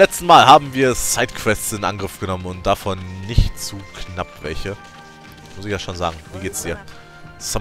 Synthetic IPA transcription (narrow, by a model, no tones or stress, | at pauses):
lɛt͡stn̩maːlɦaːbm̩viːɐsaɪtkv̥ɛstsɪnʔa̰nɡʁɪfɡ̥ənɔmənʊnt̚d̥afɔnːɪçtt͡suːkʰnapv̥ɛ̰lçə | mʊsɪç̥aːʃoːnza̰ːɡŋ̩viːɡeːtsd̥iːɐ | sa